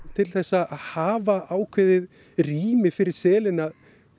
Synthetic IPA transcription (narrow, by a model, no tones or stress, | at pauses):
t̪ʰɪlθɛsːaaðhaːvaʔaːwkʰvɪðɪð | riːmɪfɪɾɪɾ̥sɛːlɪnað